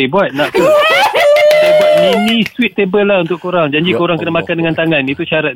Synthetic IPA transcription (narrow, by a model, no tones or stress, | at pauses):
ibuat̪̚naʔku | səbap̚inĩst̪wit̪̚ːebəlaunt̪ʊʔkːoɾaŋd͡ʒaɲd͡ʒikoɾaŋkənəmakandəŋant̪aŋanit̪uʃaɾat̪